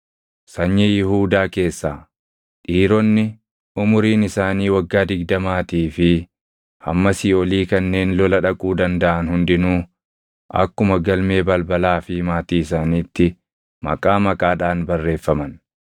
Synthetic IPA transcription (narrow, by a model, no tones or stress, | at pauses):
sɐɲːɛjɪhuːd̪aːke̞ːsːaː | ᶑiːɾɔnːɪ | ʊmʊɾiːnɪsaːniːwɐɡːaːd̪ɪɡd̪ɐmaːt̪iːfɪ | hɐ̰mːɐsɪoliːkɐnːe̞ːnlɔlɐᶑɐkʼuːd̪ɐnd̪ɐʔɐnhʊnd̪ɪnuː | ʔɐ̰kːʊmɐɡɐlme̞ːbɐlbɐlaːfɪmaːt̪iːɪsaːniːt̪ːɪ | mɐ̰kʼaːmɐkʼaːᶑaːnbɐrːe̞ːfːɐmɐn